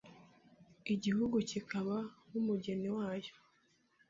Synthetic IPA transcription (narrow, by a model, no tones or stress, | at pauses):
iɟihuɡucikaβanumuɟe̞niwaːjo̥